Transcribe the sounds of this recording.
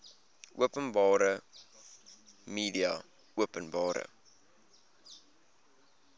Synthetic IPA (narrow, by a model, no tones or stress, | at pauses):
ʔuəpənbɑːɾə | miːdiɐ̰ | uəpənbɑːɾə̰